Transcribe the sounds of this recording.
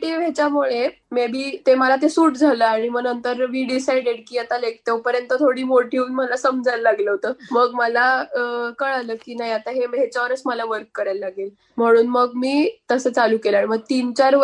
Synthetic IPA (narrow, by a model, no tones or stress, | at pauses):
ʈiʋet͡ɕjamuɭemebʱiːt̪eməlat̪̬esuːʈd͡zʱaləaɽ̃iməɡnənt̪əɾʋiːɖisajɖeɽkiːat̪alek̚t̪ewpəɾjənt̪ət̪ʰoɽiːmoʈʰiuːnməlasəmd͡zʱalːaɡləɦot̪əməɡməlakəɭaləkiːnajat̪aɦemet͡ɕaʋəɾəsməlaʋəɾkːəɾajlːaɡel | m̤əɽ̃uːnməɡmiːt̪əsət͡saluːkelaɽiməɡ̚t̪iːnt͡ɕaɾ